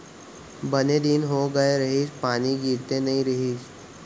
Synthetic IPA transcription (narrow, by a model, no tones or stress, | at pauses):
bəned̪iːnɦoɡəeɾɐɦiːspaːniɡiːɾt̪enɐɦĩɾɐɦiːs